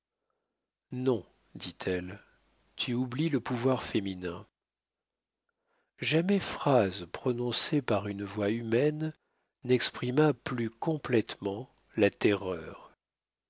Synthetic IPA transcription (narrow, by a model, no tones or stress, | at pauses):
nɔ̃ | d̪it̪ʰɛl | t̪ʰyubliləpuvwaʁfeminɛ̃ | ʒamɛfχazpχɔnɔ̃sepaʁynvwaymɛnː | ɛkspχimaplykɔ̃plɛt̪mɑ̃ | lat̪ɛʁœːʁ